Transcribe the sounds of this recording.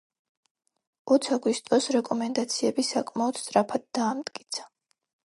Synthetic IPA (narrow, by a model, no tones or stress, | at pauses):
ɔt̪sʰaɡwist̪ʼɔsɾɛkʼɔmɛnd̪at̪sʰiɛbisakʼmaɔd̪̥st̪ʼɾapʰad̪̚ːaːmt̪ʼkʼi̥t̪sʰḁ